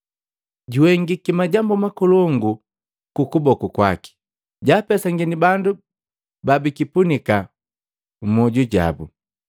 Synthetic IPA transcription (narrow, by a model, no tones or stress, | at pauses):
ɟuwɛŋɡikimaɟambumakɔlɔŋɡu | kukubɔkukwa̰ki̥ | ɟaːpɛsaŋɡɛnibandu | babikipunika | mɔɟuɟa̰bṵ